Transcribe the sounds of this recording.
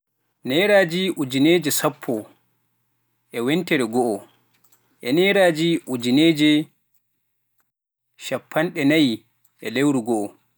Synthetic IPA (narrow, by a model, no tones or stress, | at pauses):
nɛɾaːd͡ʒiʔud͡ʒineːd͡ʒɛsapʰːɔ | ʔɛwɛntɛɾɛɡɔʔɔ | ʔɛnɛɾaːd͡ʒiʔud͡ʒineːd͡ʒɛ | ʃapʰːanɗɛnaj | ʔɛlewɾuɡɔʔɔ